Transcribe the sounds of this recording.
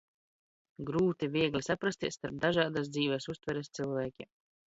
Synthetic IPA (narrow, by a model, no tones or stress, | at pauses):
ɡɾuːt̪ivʲiɛɡlʲisapɾast̪iɛssːt̪aɾp̚d̪aʒaːd̪as̬d̪ziːvʲɛsust̪vɛɾɛst̪silˠvʲæːkʲḭm